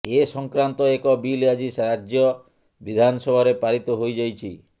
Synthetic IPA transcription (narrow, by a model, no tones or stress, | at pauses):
esɔŋkɾant̪ɔekɔbiljad͡ʒisɾad͡ʒjɔ | bid̪ʱanɔsɔbʱaɾepaɾit̪ɔɦojd͡ʒajt͡ʃʰi